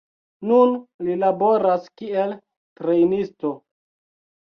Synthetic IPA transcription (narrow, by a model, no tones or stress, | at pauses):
nunlilabo̞ɾaskiel | tɾe̞jnisto̞